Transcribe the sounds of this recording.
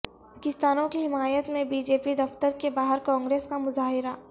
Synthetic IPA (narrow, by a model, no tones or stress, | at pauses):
aːkɪst̪aːnõkiɦɪmaːjət̪mẽbiːd͡ʒeːpid̪ɐft̪əɾkebaːɦəɾkɔ̃ːŋɡɾeːskamʊzaːɦɪɾa